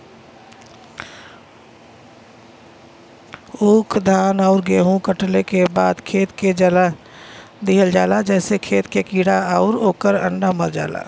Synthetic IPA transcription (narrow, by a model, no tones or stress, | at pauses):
uːkʰd̪ʱaːnɔʊɾɡeːɦũkəʈlekebaːd̪kʰeːt̪ked͡ʒəla | d̪iɦəld͡ʒaːlad͡ʒɛːsekʰeːt̪kekiːɽaɔʊɾoːkəɾə̰ɳɖaməɾd͡ʒa̰ːla̰